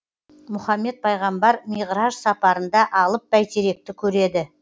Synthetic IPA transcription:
mʊχɑmːe̞t̪̚pʰɑjʁɑmbɑɾmijʁɾɑʒsɑpɑɾənd̪ɑʔɑlˠəp̚bæjt̪ʰeɾe̞k̚t̪ɪkʲʰɵɾe̞d̪ɪ

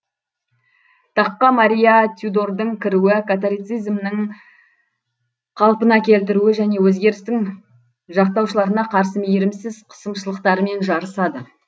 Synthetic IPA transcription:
t̪ʰɑqːɑmaɾʲijɑt̪ʲʰjud̪oɾd̪əɴkʲʰɪɾuɪkat̪̬oɾʲit̪sijzmnɪŋ | qʰɑlˠpənɑkʲʰe̞lt̪ɪɾuɪʒæne̞wɵzɡʲe̞ɾɪst̪ɪŋ | ʒɑq̚t̪ɑwʃəlˠɑɾənɑqʰɑɾsəmejɾɪmsɪzqʰə̥səmʃəlˠəq̚t̪ɑɾəme̞nʒɑɾəsɑd̪ə

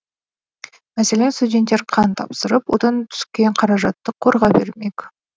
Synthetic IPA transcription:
mæse̞le̞nst̪udʲe̞nt̪ːe̞ɾqʰɑnt̪ʰɑ̰psəɾəpwo̞̰d̪ɑnt̪ʰʏ̥skʲe̞ɴqʰɑɾɑʒɑt̪ːəqʰo̞ɾʁɑbe̞̰ɾme̞kʲ

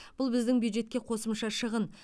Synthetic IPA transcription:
b̥ʊlˠbɪzd̪ɪŋbjud̪ʒe̞t̪kʲe̞qʰo̞səmʃɑʃəʁən

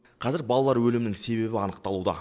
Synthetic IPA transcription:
qʰɑzɪɾbɑlˠɑlˠɑɾwɵlɪmɪnɪŋse̞βe̞bɪɑnəq̚t̪ɑlˠud̪ɑ̰

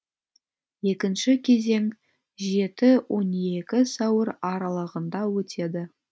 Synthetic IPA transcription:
je̞kʲɪnʃɪkʲʰe̞ze̞ŋ | ʒe̞t̪ɪwʔo̞ne̞kʲɪsɑwəɾɑɾɑlˠəʁənd̪ɑwɵt̪ʰe̞d̪ɪ

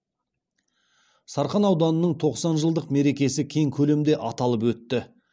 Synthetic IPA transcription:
sɑɾχɑnɑwd̪ɑnənəɴt̪ʰo̞qsɑnʒəlˠd̪əqme̞ɾe̞kʲe̞sɪkʲʰe̞ŋkʲʰɵle̞md̪e̞ʔɑt̪ɑlˠəpwɵt̪ːɪ

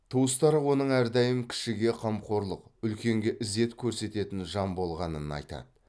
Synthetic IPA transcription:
t̪ʰuwəst̪ɑɾwo̞nəɴæɾd̪ɑjəmkʲʰɪ̥ʃɪɡʲe̞qʰɑmqʰo̞ɾlˠəqʏlkʲe̞ŋɡʲe̞ʔɪze̞t̪kʲʰɵɾse̞t̪e̞t̪ɪnʒɑmbo̞lˠʁɑnənɑ̰jt̪ɑ̰d̪ə

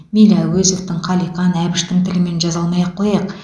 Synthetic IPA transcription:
mʲilʲɑwɵzeft̪ɪŋqʰɑlˠijqɑnæbɪʃt̪ɪŋt̪ʰɪlɪme̞nʒɑzɑlˠmɑjɑqʰːojɑq

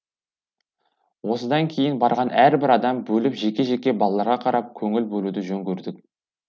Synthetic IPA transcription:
wo̞səd̪ɑŋkʲʰe̞jɪnbɑɾʁɑnæɾbɪɾɑd̪ɑmbɵlɪpʒe̞kʲe̞ʒe̞kʲːe̞bɑlˠɑlˠɑɾʁɑqʰɑɾɑp̚kʲʰɵŋɪlbɵlud̪ɪʒɵŋkʲɵɾd̪ɪk̚ʲ

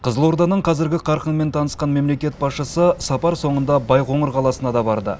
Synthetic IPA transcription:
qʰəzəlˠwo̞ɾd̪ɑnəɴqʰɑzɪɾɡʲɪqʰɑɾqənme̞nt̪ʰɑnəsqɑnme̞mle̞kʲe̞t̪̚bɑsʃəsəsɑpɑɾso̞ɴənd̪ɑbɑjqʰo̞ɴəɾqʰɑlˠɑsənɑd̪ɑbɑɾd̪ə̰

